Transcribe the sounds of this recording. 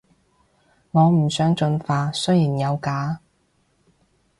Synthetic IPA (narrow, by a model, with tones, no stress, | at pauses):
ŋɔː˨˧m̩˨˩sœː˨˥ŋt͡ʃɵ˧nfaː˧sɵ˥ɥjiː˨˩njɐ˨˧wkaː˨˥